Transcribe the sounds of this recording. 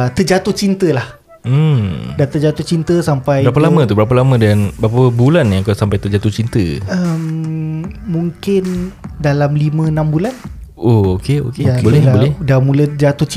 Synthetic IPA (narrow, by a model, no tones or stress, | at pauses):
t̪əd͡ʒat̪ʊt͡ʃint̪əlah̩ | dant̪əd͡ʒat̪ʊt͡ʃint̪əsampajɾabpəlamə̃t̪ubəɾap̬əlamə̃dəanbəɾapbulanjakasampajt̪əd͡ʒat̪ʊt͡ʃint̪ə̰əm | mũŋkɪndalamlimə̃nãmbulanookeo̰keabolɛabolɛdamũlət̪əd͡ʒat̪ʊt͡ʃ